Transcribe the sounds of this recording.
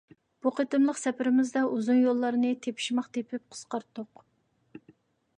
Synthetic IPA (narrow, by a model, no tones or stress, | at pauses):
b̥uqʰət̪ɨmlˠəqsɛpʰɪɾɪmɪzd̪ɑuzunjolˠːɑɾnɨt̪ʰepʰɪ̥ʃmɑqt̪ʰepʰɪp̚qʰə̥sqɑɾt̪ːʊq